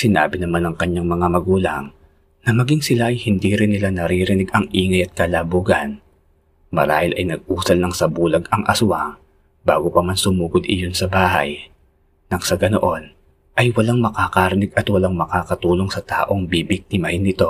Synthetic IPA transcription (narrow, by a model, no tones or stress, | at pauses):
sɪnaːbɪnɐmanɐŋkɐɲːaŋmɐŋamɐɡuːlɐ̰ŋ | nɐmɐɡiŋsɪlaʔɐjhɪnd̪iːɾɪnːɪlanɐɾiɾɪnɛɡɐŋʔiːŋɐjɐt̪̚kɐlabuːɡɐn | mɐ̰ɾa̰ːhɪlʔɐ̰jnɐɡ̚ʔuːsɐlnɐŋsɐbuːlɐɡɐŋʔɐ̰sʊwaŋ | baːɡo̞pɐmansʊmuːɡod̪ʔɪ̰jo̞nsɐbaːɦɐ̰j | nɐŋsɐɡɐno̰ʔo̞n | ʔɐjwɐlaŋmɐkaːkaɾɪnɛɡɐt̪wɐlaŋmɐkaːkɐt̪uːlo̞ŋsɐt̪a̰ːʔo̞ŋbibɪk̚t̪ɪmɐhɪnːɪt̪o̞